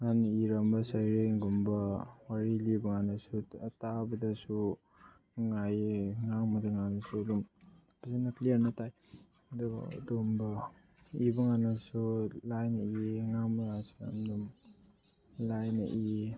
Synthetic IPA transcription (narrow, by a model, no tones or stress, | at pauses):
ŋaniiɾambɐsajɾeŋɡumbɐwaɾilibɐŋanasutabɐdɐsu | ŋajŋamadaŋanasulum | pazanaklijaɾnataj | dṵdumbɐ | ibɐŋanasulajnaiŋamaŋasua̰mdum | lajna̰ʔi